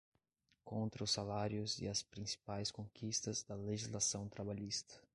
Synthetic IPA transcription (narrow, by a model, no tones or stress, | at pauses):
kõnt̪ɾɐʊsalaɾjʊzɪ̰ɐspɾĩsi̥pajskõkʰist̪ɐzd̪ɐleʒizlasɐ̃w̃t̪ɾabaʎist̪ɐ̥